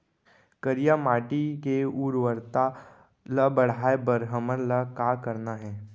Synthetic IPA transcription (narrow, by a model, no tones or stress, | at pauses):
kəɾijamaːʈikeuːɾʋəɾt̪a | ləbɐɽ̤aːebəɾɦəməɾləkaːkəɾnaɦɛː